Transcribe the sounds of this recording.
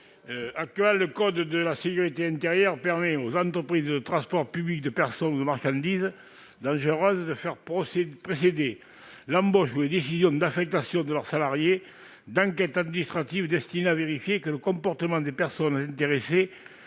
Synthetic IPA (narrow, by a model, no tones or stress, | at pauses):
ak̚t̪ɥɛlːəkɔd̪d̪əlasekyʁit̪eɛ̃nt̪eʁjœʁpɛʁmɛozɑ̃nt̪χəpχizəd̪ət̪χɑ̃spɔʁpyblik̚d̪əpɛʁsɔnud̪əmaʁʃɑ̃nd̪izə | d̪ɑ̃ʒəʁœzəd̪əfɛʁpɔspχesed̪e | lɑ̃mbɔʃuled̪esizjɔ̃d̪afɛk̚t̪asjɔ̃d̪əlœʁsalaʁje | d̪ɑ̃ŋkɛt̪ad̪minist̪χat̪ivəd̪ɛst̪ineaveʁifjekələkɔ̃mpɔʁt̪əmɑ̃d̪epɛʁsɔnzɛ̃nt̪eʁese